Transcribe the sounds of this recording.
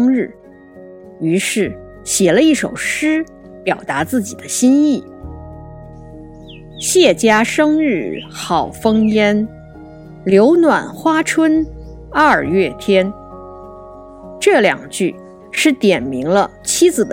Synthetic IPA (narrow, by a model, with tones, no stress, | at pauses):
ŋɻ̩˥˩ | y˧˥ʂɻ̩˥˩ | ɕjɛ˨˩lə˦i˥˩ʂo˨˩ʊʂɻ̩˥ | pjɑ˨˩ʊt̪a˧˥t͡sɹ̩˥˩t͡ɕi˨˩d̪ə˦ɕi˥ni˥˩ | ɕjɛ˥˩t͡ɕja˥ʂɤ˥ŋɻɻ̩˥˩xɑ˨˩ʊfɤ˥ŋjɛ˥n | ljo˧˥ʊnwa˨˩nxwa˥ʈ͡ʂʰwə˥n | ə˥˧˩ɥɛ˥˩t̪ʰjɛ˥n | ʈ͡ʂɤ˥˩ljɑ̰˨˩ŋt͡ɕy˥˧ | ʂɻ̩˥˩t̪jɛ˨˩nmi˧˥ŋlə˧ | t͡ɕʰi˥d͡zɹ̩˨˩d̪